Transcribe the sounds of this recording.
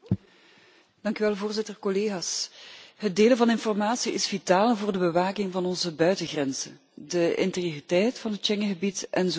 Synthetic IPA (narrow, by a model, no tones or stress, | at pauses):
d̥ɑŋkyʋɛlˠvoːrzɪtərkɔleːɣaːsɦət̚deːləvɑnɪnfɔrmaːtsiʔɪsv̥itaːlˠvoːrdəbəʋaːkɪŋvɑnɔnzəbœɥtəɣrɛnzə̰ | dəɪ̰nterjoritɛjtfɑnɦətt͡ʃɛŋəɣəbitʔɛnz